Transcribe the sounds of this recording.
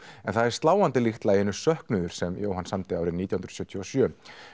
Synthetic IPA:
ɛnθaðɛɾ̥st̪laːwant̪ɪlixt̪laɛnːʏ̥sœhknʏðʏɾ̥sɛmjo̰ːwhansamt̪ɪaːwɾɪniːt̪jahnɾð̥sjœt̪ʰjuɔsjœː

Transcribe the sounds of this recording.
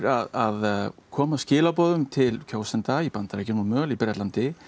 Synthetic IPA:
ɾaðaðkʰɔːmascɪːlapɔːðʏmt̪ʰɪlcʰoːwsɛnt̪ajipant̪aɾɛhçcːɪnuːmœːlipɾɛt̪lant̪ɪ

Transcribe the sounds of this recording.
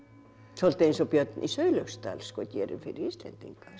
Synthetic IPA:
solt̪ːinsopiɑt̪ʔḭsøiløkst̪æ̰lskot̪ʲierinfirislḛnt̪ḭŋkɑns

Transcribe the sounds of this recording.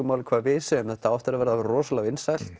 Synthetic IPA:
ʏmaːwlɪkʰv̥aːðvɪːsɪːmθɛht̪aaft̪ɪɾavɛɾðarɔːsalawɪnsajl̥t̪

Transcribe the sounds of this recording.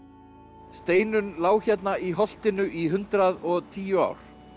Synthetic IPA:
st̪eːjnʏnlaːwçɛt̪naʔiɦɔl̥t̪ɪnʏʔiɦʏnt̪ɾaðɔɣt̪ʰiːjʏa̰ːwɾ̥

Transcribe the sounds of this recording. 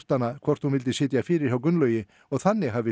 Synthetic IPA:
t̪anːakʰvɔr̥t̪hunvɪlt̪ɪsɪːt̪jafɪːɾɪɾ̥hawkʏnlœːɥjɪ | ɔɣθanːɪɦaːvɪ

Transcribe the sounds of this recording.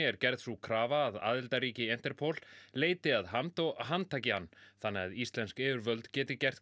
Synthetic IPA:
ɛɾcɛɾðsukʰɾaːvaːða̰ːðɪlt̪aɾiːcɪɛn̥t̪ɛɾ̥pʰowl̥leːjt̪ɪaðɦamt̪ɔɣɦant̪ʰaːjcɪhanːθanːɛɣaðist̪lɛnskɛvʏɾvœlt̪cɛːt̪ɪcɛr̥ð

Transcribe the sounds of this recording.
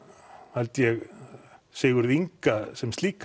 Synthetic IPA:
halt̪jɛɣ | seːɣʏɾðiŋkasɛmst̪liːk

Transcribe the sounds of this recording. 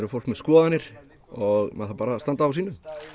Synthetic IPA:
ɾʏɾfowl̥kmɛðskɔːðanɪɾ̥ | ɔɣmaðθapaːɾast̪ant̪aːasiːnʏ

